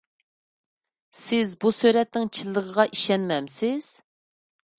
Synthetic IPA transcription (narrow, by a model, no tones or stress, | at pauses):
sɪzbusøɾɛt̪nɪŋt͡ʃʰilˠːəʁəʁɑʔiʃɛnmɛmsɪz̥